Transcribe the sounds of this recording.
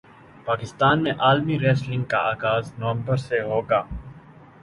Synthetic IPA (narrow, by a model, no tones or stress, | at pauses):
paːkɪst̪aːnmẽʔaːlmiɾɛːslɪ̃ŋɡ̚ka̰aːɡaːznoʋə̃mbəɾseɦoːɡaː